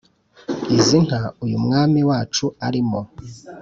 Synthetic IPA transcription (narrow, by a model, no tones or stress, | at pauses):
iziŋ̥haujumŋaːmiwaːt͡ʃua̰ɾimo